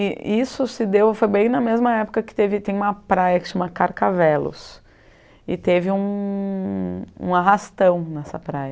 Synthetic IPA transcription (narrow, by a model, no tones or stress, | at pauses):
ɪisʊsɪd̪ewfojbẽj̃nɐmezmɐɛpʊkɐkɪ̥t̪evɪt̪ẽj̃ũmɐpɾajɐkɪ̥ʃɐ̃mɐkaɾkavɛlʊ̰s | ɪ̰t̪evɪũ | ṵ̃aɦast̪ɐ̃w̃nɛsɐ̰pɾajɐ